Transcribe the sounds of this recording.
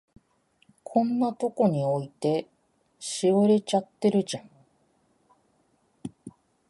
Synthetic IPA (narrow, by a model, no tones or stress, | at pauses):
kʰõ̞nːat̪o̞ko̞ɲ̟io̞it̪e̞ | ɕiβɯɾe̞t͡ɕat̪ːe̞ɾɯ̟d͡ʑãŋ